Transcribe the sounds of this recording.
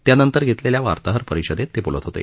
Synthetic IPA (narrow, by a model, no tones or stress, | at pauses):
t̪janənt̪əɾɡʱet̪leljaʋa̰ɾt̪aɦəɾpəɾiɕəd̪et̪ːebulə̰t̪ɦot̪ḛ